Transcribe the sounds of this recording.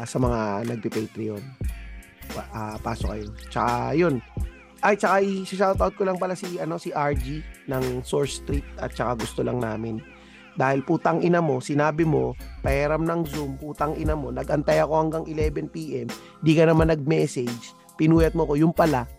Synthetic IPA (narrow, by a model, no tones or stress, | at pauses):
sɐmɐŋanɐɡ̚pɪpɛjt̪ɾɪon | ʔapaːsok̚ɐjont͡ʃɐkajo̞n | ʔajt͡ʃɐkaʔiʃɪʃawt̪awt̪̚kolɐŋpɐlasɪʔɐno̞sɪʔaɹd͡ʒinɐŋso̞ɹst̪ɾit̪̚ɐ̰t̪̚t͡ʃɐkaɡʊst̪olɐŋnaːmɪn | d̪aːhɪlpuːt̪ɐŋʔɪnɐmo̞sɪnaːbɪmo̞pɐhɛːɾɐmnɐŋzumpuːt̪ɐŋʔɪnɐmo̞nɐɡʔɐnt̪ajɐko̞hɐŋɡaŋʔɪlɛbɛnpiːʔɛm | nd̪ikɐnɐmanːɐɡ̚mɛːsɛd͡ʒ | pɪnuːjɐt̪̚moɐko̞jʊŋpɐla